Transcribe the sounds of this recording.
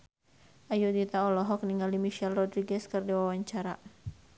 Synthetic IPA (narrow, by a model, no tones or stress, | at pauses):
ʔajudit̪aɔlɔɦɔk̚niŋɡalimiʃɛlrɔdɾiɡɛskɨrdawawaɲt͡ʃaɾa